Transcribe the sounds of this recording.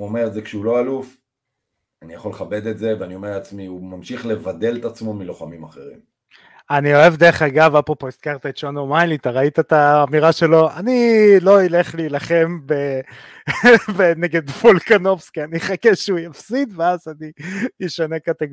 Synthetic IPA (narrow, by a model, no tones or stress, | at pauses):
uomeʁetzekʃɛulo̞aluf | anijaχoleχabe̞d̪e̞tze̞veanio̞me̞at͡smiumamʃiχle̞vad̪e̞let̪at͡smo̞miloχamimaχeʁḭm | anio̞e̞vd̪eʁeχaɡavapopo̞iskaʁt̪aet̪ʃonomajlit̪aʁait̪at̪aːmiʁaʃe̞lo̞anilo̞ile̞χliːlaχe̞mbe | beneɡed̪folkanofskianiχakeʃeujafsit̪veazanijiʃanekat̪eɡ